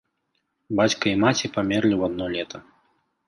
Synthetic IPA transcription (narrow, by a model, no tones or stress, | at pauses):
bat͡sʲkɐimat͡sʲipamʲɛrlʲiwad̪nɔlʲɛt̪ɐ